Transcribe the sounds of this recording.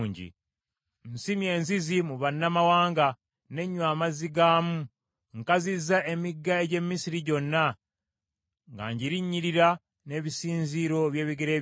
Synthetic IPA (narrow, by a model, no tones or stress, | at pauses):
ɲɟḭ | n̩simje̞ːnzizimuβanːamawaːŋɡa | ne̞ɲːwaːmaziɡaːmu | ŋkazizae̞miɡːaeɟe̞mːisiɾiɟo̞nːa | ŋɡa̰ɲɟiɾiɲːiɾiɾa | ne̞βisiːnziɾo̞βje̞ːβiɡeɾeː